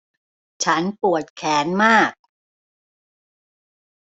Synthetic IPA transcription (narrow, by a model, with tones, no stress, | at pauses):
t͡ɕʰa˦˥npu˨˩ət̪̚kʰɛː˩˦nmaː˥˩k̚